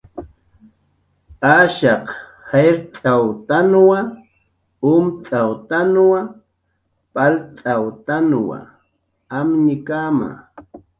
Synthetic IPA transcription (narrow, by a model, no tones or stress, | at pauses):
aʃɑqheɾt̪ʼawt̪anwa | ʊmt̪ʼawt̪anwa | pʼalt̪ʼawt̪anwa̰ | amɲɪkama̰